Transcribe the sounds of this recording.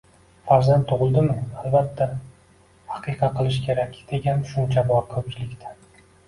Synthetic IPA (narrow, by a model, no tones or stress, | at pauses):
faɾzand̪t̪ʰːʊʁɨlˠd̪ɪmɪalbat̪ʰːa | hɑqʰɨqʰɑqʰɨlˠɪʃkʲʰe̞ɾakʲd̪̥e̞ɡʲanʃʊnt͡ʃʰabɒɾkʲʰɵp̚t͡ʃʰɪlɪkʲt̪ʰḁ